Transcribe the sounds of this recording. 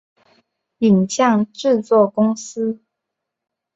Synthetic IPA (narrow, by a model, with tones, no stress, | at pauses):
i˨˩ŋɕjɑ˥˨ŋʈ͡ʂɻ̩˥˧t͡swɔ˥˨kʊ˥ŋs̩˦˥